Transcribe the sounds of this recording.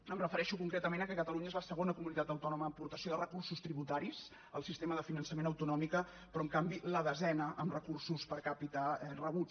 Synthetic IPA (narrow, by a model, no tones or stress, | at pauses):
əmrəfəɾɛʃukuŋkɾet̪əmenəkɛkət̪əluɲəezləsəɣ̞onəkumunit̪at̪əwt̪ɔnuməːmpuɾt̪əsjoðərəkursust̪ɾiβut̪aɾis | əlˠsist̪eməðəfinənsəmenəwt̪unɔmikə | pɾɔəŋkambiləðəzɛnəʔəmrəkursuspəɾkapit̪aɛrəβu